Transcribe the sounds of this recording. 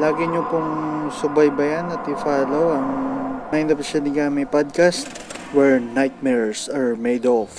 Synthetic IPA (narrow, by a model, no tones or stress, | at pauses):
laːɡɛɲokʊŋsʊbajbɐjanɐt̪ɪfaːlowɐŋmaj̃nd̪ɐpʃɐd̪ɪɡamɐpad̪̚kast̪ | wɛɹnajt̪̚mɛɹɛɹsaɹmejd̪ɔf